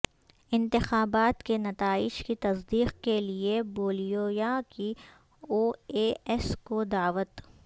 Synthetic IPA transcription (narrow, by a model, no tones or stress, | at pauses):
ɪ̃nt̪ɪxaːbaːt̪kenɐt̪aːɪʃkit̪ɐsd̪iːqkelieboːlijoːjaki | oːeːɛskod̪aːʋət̪